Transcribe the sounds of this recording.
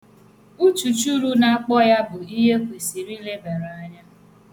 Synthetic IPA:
u˦t͡ʃu˨t͡ʃu˦ɾu˦na˨a˨k͡pɔ˦ja˦bʊ˨i˦ɦe˦kʷe˨si˨ɾi˦le˦be˨ɾa˦ɲa˦

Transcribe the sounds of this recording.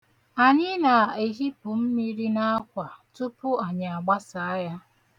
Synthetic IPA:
a˨ɲɪ˦na˨e˨ɦi˦pʊ˨m̩˦mi˦ɾi˦na˦a˦kʷa˨tʊ˦pʊ˦a˨ɲa˨a˨ɡ͡ba˦sa˨a˦ja˦

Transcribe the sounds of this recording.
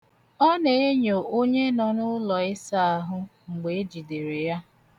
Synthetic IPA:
ɔ˦ne˨e˦ɲo˨ʔo˦ɲe˦nɔ˨nʊ˦lɔ˨ɪ˦sa˦a˦˨ɦʊ˦ŋ͡m̩˨ɡ͡be˨e˦d͡ʒi˨de˨ɾe˨ja˦

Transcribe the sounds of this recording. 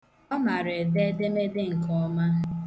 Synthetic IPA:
ɔ˦ma˨ɾe˨de˦de˦me˦dɪ˦ŋ̩˨kɔ˦ma˦

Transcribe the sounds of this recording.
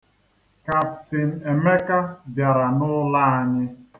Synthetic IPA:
ka˨ptɪ˨n̩˨e˨me˦ka˦bja˨ɾa˨nʊ˦la˦a˦ɲɪ˦

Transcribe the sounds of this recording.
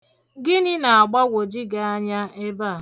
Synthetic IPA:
ɡɪ˦nɪ˦na˨a˨ɡ͡ba˦wʷo˨d͡ʒi˦ɡa˨a˦ɲa˦e˦ba˦˨

